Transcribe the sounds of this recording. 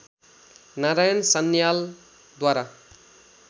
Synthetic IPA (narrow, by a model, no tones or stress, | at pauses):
naɾajʌnsʌnːjal | d̪waɾa